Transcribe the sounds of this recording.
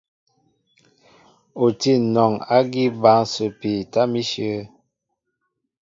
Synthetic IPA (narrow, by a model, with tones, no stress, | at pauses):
o˨ti˦˨nɔ˨ŋa˦ɡi˦ba˨˦ŋso˨pi˨ta˦mi˦ʃə˦